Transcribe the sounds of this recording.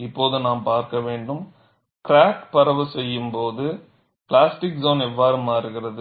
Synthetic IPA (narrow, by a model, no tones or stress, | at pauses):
ɪpːoːðɯnaːmpaːɾkɐʋeːɳɖɯm | kɾaːkpɐɾɐʋɯsɛjːɯmpoːðɯ | plaːsʈɪksoːnɛʋːaːɾɯmaːɪɾɯɣɪɾɐðɯ